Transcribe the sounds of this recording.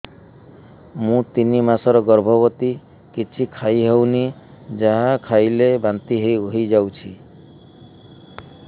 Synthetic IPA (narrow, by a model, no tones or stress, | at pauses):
mũt̪inimasɔɾɔɡɔɾbʱɔbɔt̪i | kit͡ʃʰikʰajɦewni | d͡ʒaɦakʰajlebant̪iɦeɦjd͡ʒawt͡ʃʰi